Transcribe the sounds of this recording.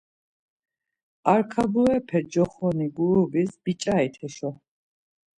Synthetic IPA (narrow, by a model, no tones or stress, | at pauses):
aɾkʰabuɛpʰɛd͡ʒɔχɔniɡuɾubisb̥it͡ʃʼait̪ʰɛʃɔ